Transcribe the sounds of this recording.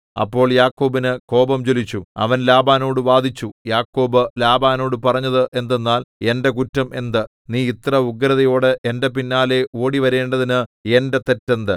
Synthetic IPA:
ɐ̰pːo̞ːɭjaːkːo̞ːbinɨko̞ːbɐmt͡ɕolit͡ɕːuɐ̰ʋɐnlaːbaːno̞ːɽɨʋaːd̪ʱit͡ɕːujaːkːo̞ːbɨlaːbaːno̞ːɽɨpɐrɐɲːɐðɨʔe̞nd̪e̞nːaːle̞nde̞kutːɐmʔe̞nd̪ɨ | niːit̪rɐuɡɾɐðɐjo̞ːɽɨʔe̞ndep̬inːaːle̞oːɽiʋɐɾe̞ːɳɖɐðinɨe̞nde̞t̪e̞tːend̪ɨ

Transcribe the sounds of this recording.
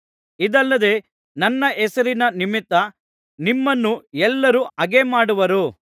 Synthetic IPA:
id̪ɐlːɐd̪e̞ | nɐnːɐʔɛsɐɾinɐnimit̪ːɐ | nimːɐnːuɛlːɐɾuɐɡemaːɽuʋɐɾu

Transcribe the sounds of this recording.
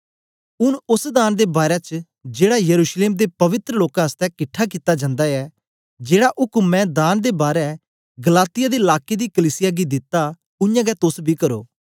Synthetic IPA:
ʊnʊsd̪aːnd̪eːbaːɾɛːt͡ʃ | d͡ʒeːɽaːjəɾuːʃleːmd̪eːpəʋɪt̪ɾəloːkãːəst̪ɛːkɪʈʰːak̬iːt̪aːd͡ʒãːnd̪aːɛː | d͡ʒeːɽaːʔʊkmɛ̃ːd̪aːnd̪eːbaːɾɛ | ɡəlaːt̪ɪjaːd̪eɪlaːkeːd̪iːkəliːsɪjaːɡiːd̪ɪt̪ːaː | ʊjãːɡɛːt̪ʊsbʱiːkəɾo̰ː

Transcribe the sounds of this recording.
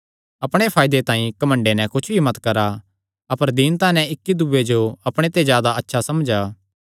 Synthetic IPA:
ɐpɽ̃epʰaːjd̪et̪ãːĩkɐmə̃ɳɖenɛ̃kʊt͡ʃʰbʱimɐt̪kɐɾa | ɐpəɾd̪int̪ãːnɛ̃ɪkːid̪uːed͡ʒoɐpɽ̃et̪ezjaːd̪aɐtːʃʰasɐmd͡ʒaː

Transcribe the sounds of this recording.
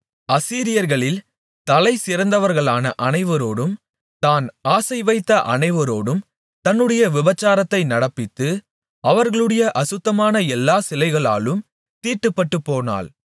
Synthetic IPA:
ɐsiːɾɪjɐɾɣɐɭɪl | t̪ɐlɐɪsɪɾɐnd̪ɐʋɐɾɣɐɭaːnɐʔɐnɐɪʋɐɾoːɽɯm | t̪aːnaːsɐɪʋɐɪt̪ːɐʔɐnɐɪʋɐɾoːɽɯm | t̪ɐnːɯɽɐjɐʋɪbɐt͡ʃːaːɾɐt̪ːɐɪnɐɽɐpːɪt̪ːɯ | ɐʋɐɾɣɐɭɯɽɐjɐʔɐsʊt̪ːɐmaːnɐɛlːaːsɪlɐɪɣɐɭa̰ːlɯm | t̪iːrʈːɯpːɐʈːɯpːoːna̰ːl

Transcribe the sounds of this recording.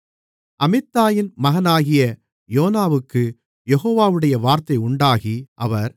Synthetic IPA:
ʔɐmɪt̪ːaːjɪnmɐɣɐnaːɣɪjɐ | joːnaːʋɯkːɯ | jɛɣoːʋaːʋɯɽɐjɐʋaːɾt̪ɐɪʊɳɖaːɣiʔɐʋɐɾ

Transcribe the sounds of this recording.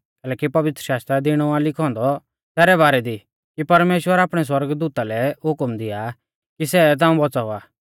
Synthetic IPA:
kɛːlɛːkipɐʋɪt̪ɾəʃaːst̪ɾad̪ɪɽ̃ɔaːlɪkʰɔ̃ːnd̪ɔ | sɛːɾɛβaːɾɛd̪i | kipɐɾmeːʃwəɾaːpɽ̃ɛs̬wɐɾɡd̪uːt̪alɛɦʊkmd̪ɪja | kisɛt̪̬ãːũbɔt͡sauaː

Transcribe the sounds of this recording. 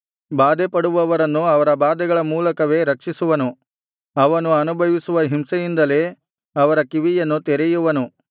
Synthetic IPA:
baːd̪ɛpɐɽuʋɐʋɐɾɐnːuɐʋɐɾɐbaːd̪ɛɡɐɭɐmuːlɐkɐʋe̞ːɾɐkʂisuʋɐnu | ɐʋɐnuɐnubʱɐʋisuʋɐɦimsɐjind̪ɐle̞ː | ɐʋɐɾɐkiʋijɐnːut̪eɾɛjuʋɐnu

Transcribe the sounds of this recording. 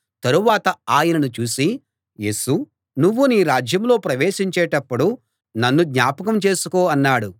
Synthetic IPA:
t̪ɐɾuʋaːt̪ɐaːjɐnɐnut͡ʃuːsi | je̞ːsu | nuʋːuniːɾaːd͡ʒjɐmlo̞ːpɾɐʋeːʃiɲt͡ʃeːʈɐpːuɽu | nɐnːuɡ̪ɲaːpɐkɐmt͡ʃe̞ːsukoːɐnːaːɽu

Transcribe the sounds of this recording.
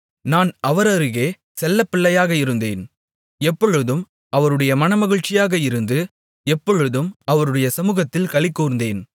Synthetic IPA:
naːnɐʋɐɾɐɾɯɣeː | sɛlːɐpːɪɭːɐjaːɣɐɪɾɯnd̪eːn | ɛpːɔɻɯðɯm | ɐʋɐɾɯɽɐjɐmɐnɐmɐɣɪɻt͡ʃɪjaːɣɐɪɾɯnd̪ɯ | ɛpːɔɻɯðɯmɐʋɐɾɯɽɐjɐsɐmuːɣɐt̪ːɪlkɐɭɪkːoːɾɯnd̪eːn

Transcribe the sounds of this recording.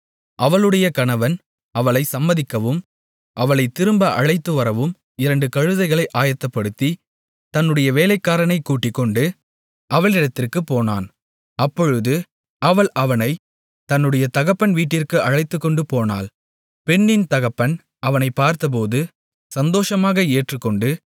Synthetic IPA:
ʔɐʋɐɭɯɽɐjɐkɐnɐʋɐn | ɐʋɐɭɐɪsɐmːɐðɪkːɐʋɯm | ʔɐʋɐɭɐɪt̪ːɪɾɯmbɐʔɐɻɐɪt̪ːɯʋɐɾɐʋɯm | ɪɾɐɳɖɯkɐɻɯðɐɪɣɐɭɐɪʔaːjɐt̪ːɐpːɐɽɯt̪ːi | t̪ɐnːɯɽɐjɐʋeːlɐɪkːaːɾɐnɐɪkːuːʈːɪkːɔɳɖɯ | ʔɐʋɐɭɪɽɐt̪ːɪrkɯpːoːna̰ːn | ɐpːɔɻɯðɯ | ɐʋɐɭʔɐʋɐnɐɪ | t̪ɐnːɯɽɐjɐt̪ɐɣɐpːɐnʋiːʈːɪrkɯʔɐɻɐɪt̪ːɯkːɔɳɖɯpoːna̰ːl | pɛnːɪnt̪ɐɣɐpːɐn | ɐʋɐnɐɪpːaːɾt̪ɐp̬oːðɯ | sɐnd̪oːʂɐmaːɣɐeːʈrɯkːɔɳɖɯ

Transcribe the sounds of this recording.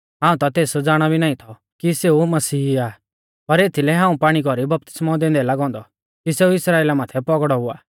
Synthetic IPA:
ɦãːũt̪ɔt̪eːsd͡zaːɽ̃ɔbʱinaːĩt̪ʰɔ | kiseumɐsiːaː | pɐɾeːt̪ʰilɛɦãːũpaːɽ̃ikɔɾibɐp̚t̪ɪ̥smɔd̪ẽːnd̪ɛlaɡɔ̃ːnd̪ɔ̰ | kiseːuɪsɾaːeːlamaːt̪ʰɛpɔɡɽɔɦʊa̰ː

